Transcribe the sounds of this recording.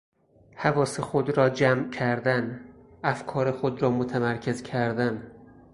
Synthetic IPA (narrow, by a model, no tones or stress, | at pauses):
hævɒːsexod̪ɾɒːd͡ʒæmcʰæɾd̪æn | æfkʰɒːɾexod̪ɾɒːmot̪ʰæmæɾkʰe̞zkʰæɾd̪æn